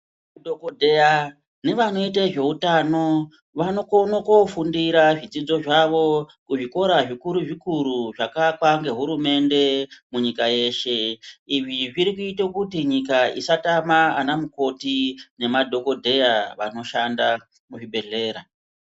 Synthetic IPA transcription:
udʱokodʱeja | ne̞ʋano̞it̬eʐe̞utaːno̞ | ʋanokonokofundiɾaʐid͡zid͡zo̞ʐaʋo̞kuʐiko̞ɾaʐikuɾuʐikuɾuʐakakwaŋɡe̞ɦuɾume̞nde̞muɲikaje̞ʃe̞iʐiʐiɾikuitakutiɲikaisatamaanamuko̞tine̞madʱo̞ko̞dʱe̞jaʋano̞ʃanda | muʐibʱe̞ɮe̞ːɾa

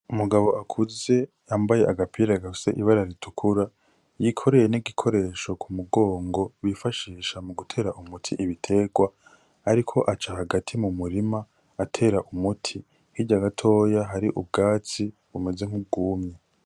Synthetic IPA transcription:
umuɡaβo̞ʔakʰuze̞ | aːmbaje̞ʔaɡapʰiɾaɡau̥se̞̰ʔiβaɾaɾitʰukʰuɾa | jikʰo̞ɾe̞jeniɡikʰo̞ɾe̞ʃo̞kʰumuɡo̞ːŋɡo̞βifaʃiːʃamuɡutʰe̞ːɾaʔumutʰiʔiβitʰe̞ɡwa | aɾikʰo̞ʔat͡ʃahaɡatʰimumuɾima | atʰe̞ːɾaʔumutʰi | hiɟaɡatʰo̞ːjaɦaɾiʔub̚ɡaːt͡si | βume̞ze̞ŋ̥hub̚ɡuːmɲe

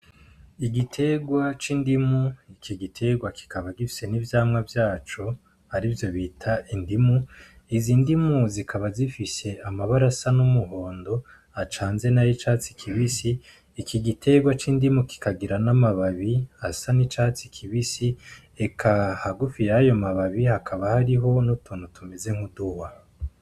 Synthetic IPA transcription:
iɡitʰe̞ɡwat͡ʃiːndimuikiɡitʰe̞ɡwaki̥kʰaβaɡifi̥se̞nivjaːmŋavjaːt͡ʃo | aɾivjo̞βitʰaʔindimu | izindimuzikʰaβazifise̞amaβaɾasanumuɦo̞ːndo̞ | at͡ʃaːnze̞najit͡ʃat͡si̥kʰiβisiː | kʰiɡitʰe̞ɡwat͡ʃiːndimuki̥kaɡiɾanamaβaβiasanit͡ʃat͡sikʰiβisi | e̞kʰahaɡufijajo̞maβaβihakʰaβahaɾiɦo̞nutuːn̥utume̞ze̞ŋhuduwa

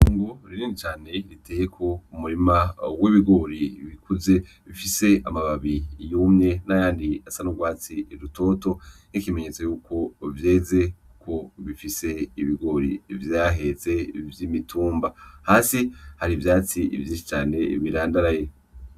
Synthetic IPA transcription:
uːŋɡoɾiɾiːnit͡ʃaːne̞ɾiteːje̞kʰo̞umuɾimawiβiɡo̞ɾiβikʰuze̞ | βifise̞a̰maβaβijuːmɲe̞najaːndiasanuɡwaːt͡siɾutʰo̞to̞nikime̞ɲet͡sojuːkʰo̞vje̞ːze̞ukʰo̞βifise̞iβiɡo̞ɾivjaːɦe̞ze̞vjimitʰuːmbahaːsihaɾivjaːt͡sḭvjiːnʃi̥t͡ʃaːne̞βiɾaːndaɾaje̞

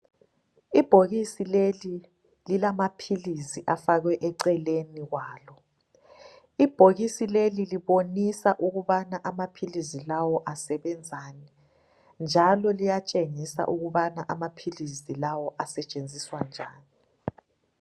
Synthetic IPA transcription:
ib̥ʱoɣisileli | lilamapʰilisiʔafaɣwɛʔɛǀɛleniɣwaːlɔ | ib̥ʱoɣisileliliβonisaʔuɣuβanaʔamapʰilizilawɔʔasɛβɛnd͡zʱani | nd͡ʒʱalɔlijat͡ʃʼeŋisa̰ʔuɣuβanaʔamapʰilisilawɔʔasɛt͡ʃʼend͡zʱiswand͡ʒʱa̰ːni

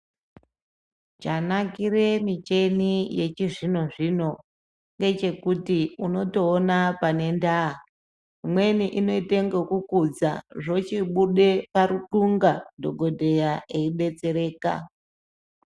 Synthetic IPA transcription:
t͡ʃanakiɾe̞mit͡ʃe̞nije̞t͡ʃiʐino̞ʐino̞ | ŋɡe̞t͡ʃe̞kutiuno̞to̞ːnapane̞ndaa | imwe̞niʔino̞ite̞ŋɡokukud͡za̰ʐo̞t͡ʃiɓuɗe̞paɾuǃuŋɡadʱo̞ɡʱo̞dʱe̞jaʔeiɓe̞t͡se̞ɾe̞ːka̰

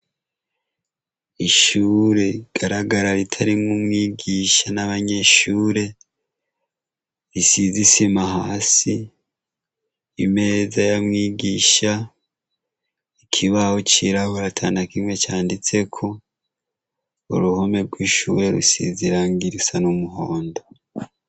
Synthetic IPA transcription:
iʃuːɾe̞iɡ̥aɾaɡaɾaɾitʰaɾimŋumŋiːɡiʃanaβaɲe̞ʃuːɾe̞ | isizisimahaːsi | ime̞ːzajamŋiːɡiʃa | ikʰiβahot͡ʃiɾahoɾatʰaːnakimwe̞t͡ʃaːndit͡se̞kʰo̞ | ṵɾuhome̞ɾɡwiʃuːɾe̞ɾṵsḭziɾaːŋɡiɾisanumuho̞ːndo

